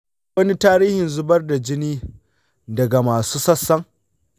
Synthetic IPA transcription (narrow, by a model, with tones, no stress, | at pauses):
ɐ˦ni˦taː˦ɾiː˦hɪ˨nzʊ˦bɐ˦rda˨d͡ʒɪ˦niː˦ | dɐ˨ɡa˨maː˨suː˦sɐ˦sːɐ˦ŋ